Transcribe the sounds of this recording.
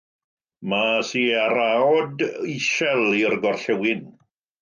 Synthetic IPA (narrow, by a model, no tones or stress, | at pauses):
masiːaɾaɔdiʃɛlˠirɡɔrɬɛwɪn